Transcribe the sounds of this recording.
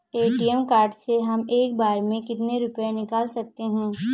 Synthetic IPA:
eːʈiɛmkaːɾɖseɦɐmeːk̚baːɾmẽkɪt̪neɾʊpjenɪkaːlsɐk̚t̪eɦɛ̃ː

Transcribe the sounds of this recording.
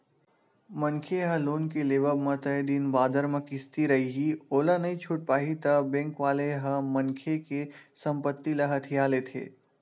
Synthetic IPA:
mɐ̃ŋkʰeɦɐ̃loːnkeleːʋəbmɐ̃t̪ɐjd̪iːnbaːd̪əɾmə̃kɪst̪iɾɐɦiɦioːlanɐɦĩt͡ʃʰʊʈ̚paːɦit̪ɐbɛ̃ːŋkʋaːleɦə̃mɐŋkʰekesɐ̃mpət̪ːilɐɦɐt̪ʰijaːlet̪ʰḛː

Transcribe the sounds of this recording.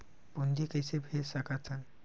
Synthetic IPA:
bond̪ikəjsebʱesakat̪ʰan

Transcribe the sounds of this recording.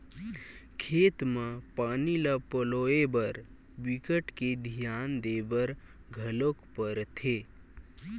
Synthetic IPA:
kʰeːt̪mẽpaːnilapəloːebəɾ | bikəʈked̪ʱijaːnd̪eːbəɾ | ɡʱəlokpəɾt̪ʰe

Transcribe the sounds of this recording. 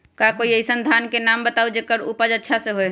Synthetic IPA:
kakoiəisənd̪ʱankenambət̪awd͡ʒekəɾupəd͡ʒətːʃʰasẽɦoj

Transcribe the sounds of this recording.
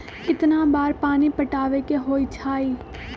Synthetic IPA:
kɪt̪nãːbaːɾpaːnipəʈaːʋekeɦoːiːt͡ʃʰaːiː

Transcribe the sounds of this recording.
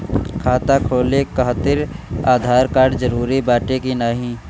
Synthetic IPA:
kʰaːt̪akʰoːlekaːt̪ɪɾaːd̪ʱaːɾkaːɾɖd͡ʒəɾuːɾibaːʈekinaːɦĩ

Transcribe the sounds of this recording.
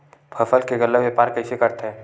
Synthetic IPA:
pʰəfəlkeɡəlːəʋjepaːɾkəisekəɾt̪ɦɛ̃ː

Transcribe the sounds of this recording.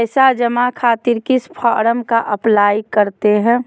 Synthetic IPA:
sad͡ʒəmakʰaːt̪ɪɾkispʰaːɾəmkaʔɐplaːjkəɾt̪eɦɛ̃ː

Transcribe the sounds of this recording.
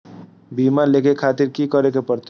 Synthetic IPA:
biːmalekekʰaːt̪iɾkikəɾekepəɾt̪e

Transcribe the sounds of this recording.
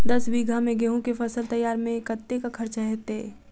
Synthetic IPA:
d̪ɐsbiːɡʱamẽɡeɦõkefɐsəlt̪ɐjaːɾmẽkət̪ːekakʰɐɾt͡ʃaɦɛːt̪eː

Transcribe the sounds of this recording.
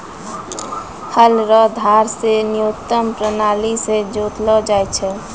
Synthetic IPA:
həlɾɔd̪ʱaɾsenijot̪ːəmpɾənalised͡ʒot̪lɔd͡ʒajt͡ʃʰɛ

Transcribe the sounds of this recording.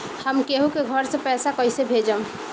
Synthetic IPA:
həmkeɦũkeɡʱəɾsə̃pɛsakəjsebʱed͡ʒəm

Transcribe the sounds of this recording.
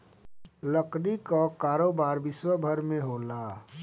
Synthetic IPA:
ləkɽikakaːɾoːbaːɾʋɪswəbʱəɾmẽɦoːlaː

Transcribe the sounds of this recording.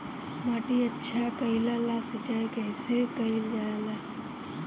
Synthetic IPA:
maːʈiətːʃʰakəilalasɐt͡ʃaːikɛɪsekɐild͡ʒaela

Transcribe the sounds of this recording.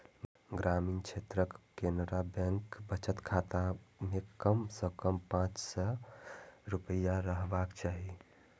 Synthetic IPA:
ɡɾaminkʰet̪ɾəkːenɾabẽŋkbət͡ʃət̪kʰat̪amekəmsə̃kəmpãt͡ʃsə | ɾupəjaɾəɦbakt͡ʃaɦi

